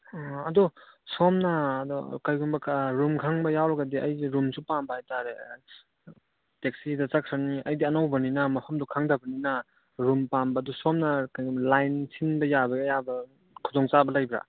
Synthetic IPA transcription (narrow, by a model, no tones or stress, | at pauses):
ɐdɔsɔmnɐːdɔkajɡumbɐkʰɾumkʰaŋbɐjawɾɐɡɐdiʔɐ̰jiɾumsupambɐhajtaɾe | tek̚sidɐt͡ʃakʰɾaniɐjdiɐnawbɐninamɐpʰɐmdukʰaŋdabɐnina | ɾumpambɐːdɔsɔmnɐkajɡmlajnsʰinbɐjabɐjabɐ | kʰudɔŋt͡ʃabɐlajbɾa̰